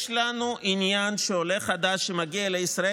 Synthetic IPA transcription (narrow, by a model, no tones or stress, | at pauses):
ʃlanuʔinjanʃeole̞χad̪aʃːemaɡialeisʁa